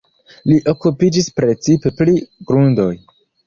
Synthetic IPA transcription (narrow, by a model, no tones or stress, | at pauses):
liʔo̞kupid͡ʒispɾe̞t͡sipe̞pliɡ̥ɾundo̞j